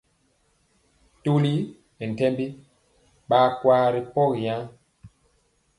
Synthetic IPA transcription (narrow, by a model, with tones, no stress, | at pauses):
tu˦li˦ | ni˨n˨tɛ˦mbi˦ | ɓaː˦kwaː˦ɾi˨pɔ˦ɣi˨jã˦